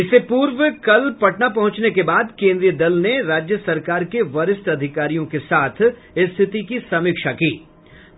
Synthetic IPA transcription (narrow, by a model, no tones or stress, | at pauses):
ɪsepuːɾʋəkɐlpɐʈnapɐɦʊ̃t͡ʃnekebaːd̪kẽːnd̪ɾijəd̪ɐlneɾaːd͡ʒjəsɐɾkaːɾkeʋɐɾɪst̪ɐd̪ʱɪkaːɾijõkesaːt̪ʰ | ɪst̪ʰɪt̪ikisɐmɪːkʃakiː